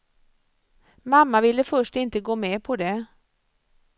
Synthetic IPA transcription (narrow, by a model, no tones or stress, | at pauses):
mamːavɪlːəfœʂʈɪnt̪əɡoːmɛpʰɔd̪ɛ